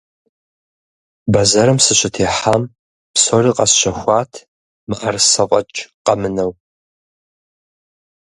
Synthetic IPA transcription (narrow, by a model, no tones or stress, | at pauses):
bɐzɐɾɨmsɨɕɪtʰeːħam | psoːriːqɐsɕɐxʷɑːtʰ | mɨʔɐrsɐqʷʼɐt͡ʃʼqɐmɨnɐw